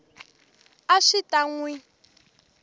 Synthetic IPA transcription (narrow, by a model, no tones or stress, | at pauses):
aʂitʼaŋwi